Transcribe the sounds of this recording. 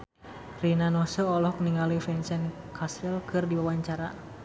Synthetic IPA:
rinanɔsɔɔlɔk̚niŋalifɛnsɛn | kʰasɛlkʰɨrdiwawaɲt͡ʃaɾa

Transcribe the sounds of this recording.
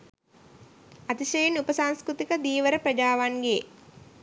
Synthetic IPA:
at̪iʃɐjenupəsaŋskɾut̪ikəd̪iːʋəɾəpɾɐd͡ʒaːʋaŋɡe

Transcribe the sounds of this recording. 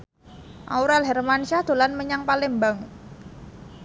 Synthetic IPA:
ʔa̰uɾalɦɛrmanʃad̪̥o̤lanməɲaŋpalɪŋmbaŋ

